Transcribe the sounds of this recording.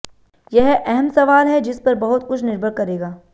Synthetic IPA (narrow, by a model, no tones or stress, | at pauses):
jɐɦʔɛɦɛmsɐʋaːlɦɛd͡ʒɪspɐɾbɐɦʊt̪kʊt͡ʃʰnɪɾbʱəɽkɐɾeːɡaː